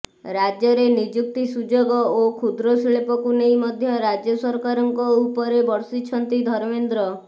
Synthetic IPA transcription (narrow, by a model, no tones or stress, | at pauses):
ɾad͡ʒjɔɾenid͡ʒuk̚t̪isud͡ʒoɡɔokʰud̪ɾɔsiɭepɔkunejmɔd̪ʱjɔɾad͡ʒjɔsɔɾkaɾɔŋkɔupɔɾebɔɽsit͡ʃʰɔnt̪id̪ʱɔɾmend̪ɾɔ